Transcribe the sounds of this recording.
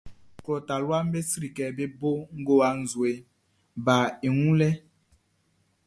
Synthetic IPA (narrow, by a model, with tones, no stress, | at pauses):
klɔ˨ta˨lwa˦m˦be˦sɾi˨kɛ˨be˦bo˦ŋ̩˦ɡo˦a˨n̩˨zwe˨ | ba˨e˨ŋũ˦lɛ˦